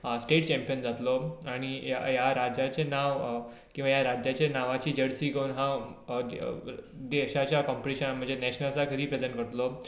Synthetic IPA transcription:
sʈeʈt͡ɕɛmpijənd͡zat̪lɔaɽ̃iajaɾad͡ʑat͡ɕenaʋ | kĩw̃ʋajaɾad͡ʑjat͡ɕenaʋat͡ɕiːd͡ʑəɽsiːɡəunɦã | d̪eɕat͡ɕjakɔmpəʈiɕənam̤əɳd͡zenɛɕnasakʰəɾiːpɾed͡zeɳʈkəɾt̪lɔ

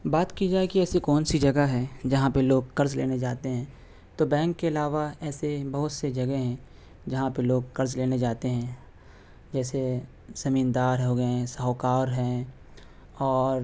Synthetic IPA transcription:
baːt̪kid͡ʒaːekiɛːsikɔːnsid͡ʒɐɡaɦɛd͡ʒɐɦãpeloːɡkɐɾzlḛːned͡ʒaːt̪eɦɛ̃ː | t̪obɛ̃ːŋkːeɐlaːʋaɛːsebɐɦʊt̪sed͡ʒɐɡeɦɛ̃ | d͡ʒɐɦãpeloːɡkɐɾzleːned͡ʒaːt̪eɦɛ̃ː | d͡ʒɛːse | sɐmiːnd̪aːɾɦoɡəesaɦokaːɾɦɛ̃ː | ɔːɾ

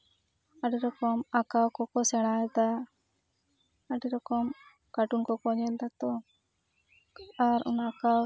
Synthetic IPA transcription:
aɖiɾɔkɔmakawkɔkɔsɛɽ̃ajɛd̪a | aɖiɾɔkɔm | kaʈunkɔkɔɲɛld̪at̪ɔ | aɾṵnaka

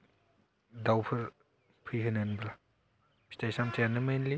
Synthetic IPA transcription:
dawpʰɯɾ | pʰɯjɦɯnɯnbla | bʰi̥tajsamtʰejanɯmenli

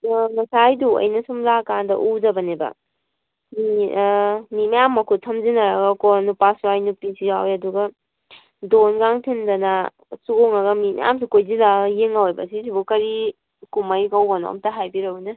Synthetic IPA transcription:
mɐsajduɐ̰jnɐsumlakandɐ̰ʔuzɐbɐnebɐ̰ | mi | mimajamːɐkʰutʰɐmzinɐɾɐɡɐkonupasuajnupisiawjɐduɡɐ | donɡaŋtʰindɐna | suoŋɐɡɐmimɐ̰ja̰ms̬ikojzilajeŋawejbɐ̰sisibukɐɾi | kumɐjɡawbɐno̰ɐ̰mtɐɦajbiɾɐwnɐ

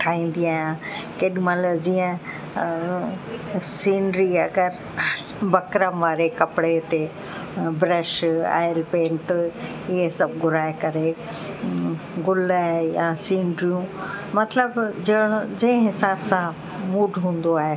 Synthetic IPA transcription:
t̪ʰaːĩːn̆d̪iaːɦɪjãkeːɗmɐləd͡ʑiːə̃ | siːɳɖɾiɐɡəɾ | bɐkɾəmʋaːɾekɐpɽet̪e | bɾəʃa̰ːɪəlpẽːɳʈ | ɪɦesɐbɡʱʊɾaːekɐɾe | ɡʊlaːɦjãsiːɳɖɾijũmɐt̪ləbd͡ʑɐɽ̃d͡ʑɐ̃ɦɪ̃ɦɪsaːbsã | muːɖʱɦũːn̆d̪oaːɦe

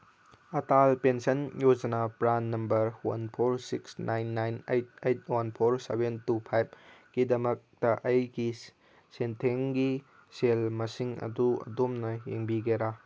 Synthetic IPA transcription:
ɐtalpensɐnjod͡ʒɐnapɾanːɐmbɐɾwɐ̰npʰoɾsiksnajnːajnejt̚ejt̚wɐnpʰoɾsebentupʰajb̚ɡ̥idɐmɐk̚tɐʔɐjɡi | sentʰeŋɡi | selmɐsiŋɐ̰duɐ̰domnɐjeŋbiɡeɾa

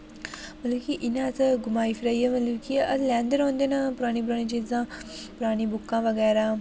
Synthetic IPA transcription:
mɐlukiʔɪnãːt̪ɐɡʊmaːifʰiɾaːiɐmɐlukiɐlɛ̃ːnd̪əɾɦõːnd̪eːnɐpʊɾaːɽ̃ip̬ʊɾaːɽ̃ĩt͡ʃit̪zãːpʊɾaːɽ̃ibʊkːãːʋɐɣɛːɾa

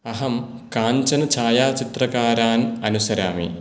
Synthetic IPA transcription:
ɐɦɐm | kaːɲt͡ʃɐnɐt͡ʃʰaːjaːt͡ʃit̪ɾɐkaːɾaːnɐnusɐɾa̰ːmḭ

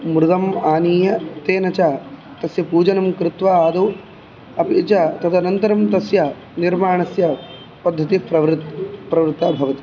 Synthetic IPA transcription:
mɾuɡ̪ɐmaːniːjɐt̪eːnɐt͡ʃaː | t̪ɐsjɐpuːd͡ʒɐnɐmkɾɪt̪ʋaːaːd̪ɐw | ɐpiːt͡ʃaːt̪ɐt̪ʰɐnɐnt̪ɐɾɐmt̪ɐsja | niɾmaːɳɐsjɐ | pɐd̪ʱːɐt̪ipɾɐʋɾt̪pɾɐʋɾt̪aːbʱɐʋɐt̪i̥

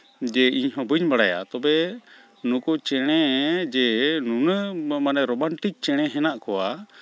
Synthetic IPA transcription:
d͡ʒɛiɲɦɔ̃bɨɲbaɽaja̰t̪ɔbɛ | nukut͡ʃɛɽ̃ɛd͡ʒɛnunəmanɛɾɔmaɳʈik̚t͡ʃɛɽ̃ɛɦɛnaʔkɔwa

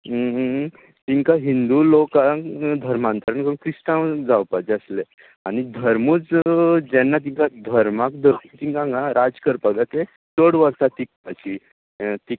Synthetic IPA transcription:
t̪iŋkaɦind̪ulokãkd̪ʱəɾmãnt̪aɾəɳkəũkɾisʈãwd͡zawpad͡ʑeəsle | aɽ̃id̪ʱəɾmuːt͡sd͡ʑɛnːat̪̬iŋkad̪ʱəɾmakd̪ʱəɾmut̪iŋkãŋɡãɾad͡zkəɾpəɡat̪e | t͡səɽʋəɾsat̪ik̚pat͡ɕi | t̪ik

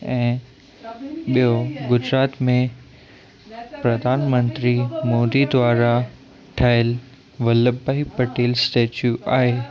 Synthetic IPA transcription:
ɛ̃ː | ɓijoɡʊd͡ʑɾaːt̪mẽ | pɾɐd̪ʱaːnmə̃nt̪ɾimoːd̪id̪ʋaːɾa | ʈʰaːɪl | ʋɐləbaɦipɐʈeːlsʈeːt͡ɕjuʔaːɦe

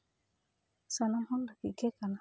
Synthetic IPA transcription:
sanahɔndakikekana

